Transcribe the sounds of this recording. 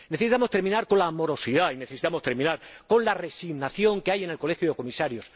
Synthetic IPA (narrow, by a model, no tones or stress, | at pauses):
neθesit̪amo̞st̪eɾmĩnaɾko̞nlaːmo̞ɾo̞siðaineθe̞si̥t̪amo̞st̪e̞ɾmĩnaɾko̞nlare̞siɣnaθjo̞ŋkeaje̞ne̞lko̞lexjuðe̞ko̞misaɾjo̞s